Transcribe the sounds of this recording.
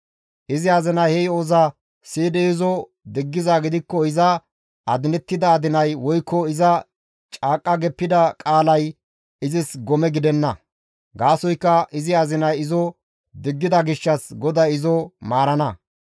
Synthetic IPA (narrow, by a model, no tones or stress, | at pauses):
ʔɪzɪɐzɪnɐjhɛjoza | siːd̪ɛɪzɔ | d̪ɪɡːɪzaɡɪd̪ɪkːɔɪzɐ | ɐd̪ɪnɛt̪ːɪd̪ɐːd̪ɪnɐjwɔjkʰːɔɪzɐ | t͡ʃʼaːkʼːɐɡɛpːɪd̪ɐkʼaːlɐj | ɪzɪsɡɔmɛɡɪd̪ɛnːɐ | ɡaːsɔjkːɐɪzɪɐzɪnɐjɪzɔ | d̪ɪɡːɪd̪ɐɡɪʃːɐsɡɔd̪ɐɪzɔmaːɾɐnɐ